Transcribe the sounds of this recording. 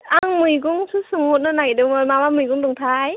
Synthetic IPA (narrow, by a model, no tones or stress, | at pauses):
ʔaŋmikʊ̰ŋ͡msusʊŋ͡mmot̚nəːnajɗɨməːmaːɓaːmɨkʊ̰ŋ͡mɗɨŋ͡mt̪ʰaːj